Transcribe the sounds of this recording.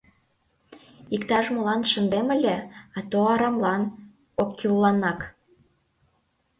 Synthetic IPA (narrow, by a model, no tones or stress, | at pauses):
ikt̪ɑʃmolɑnʃə̆nd̪emə̆lʲeɑt̪oɑɾɑmlɑn | okːyllɑnɑk